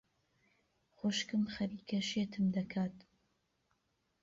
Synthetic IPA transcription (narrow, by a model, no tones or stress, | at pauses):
xoʃkɨmxɐɾiːkʰɐʃet̪ʰɨmd̪ɐkʰaːt̪